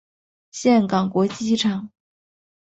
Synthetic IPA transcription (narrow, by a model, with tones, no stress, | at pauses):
ɕjɛ˥˩nkɑ˨˩ŋkwɔ˧˥t͡ɕi˥ʈ͡ʂʰɑ˨˩˦ŋ